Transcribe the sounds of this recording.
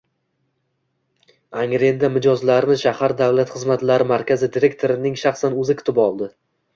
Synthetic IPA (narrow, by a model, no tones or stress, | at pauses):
aŋɾe̞nd̪amɪd͡ʒɒzlaɾɪnɪʃahaɾd̪awlat̪χɨzmat̪laɾɪmaɾkʲʰazɪd̪iɾe̞kt̪ʰo̞ɾɪnɪŋʃaχsanɵzɪkʰʊ̥t̪ʰɪpɒlˠd̪ɪ